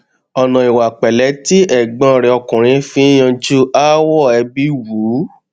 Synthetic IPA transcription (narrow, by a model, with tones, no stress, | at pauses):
ɔ˨nã˨i˨wa˨k͡pɛ˨lɛ˨˦ti˦ɛ˦˨ɡ͡bã˧˨ɾɛ˧ɔ˧kũ˨ɾ̃ĩ˨˦fĩ˧˦j̃ã˧d͡ʒu˦ʔa˦wɔ˦˨ɛ˧bi˦wu˨˦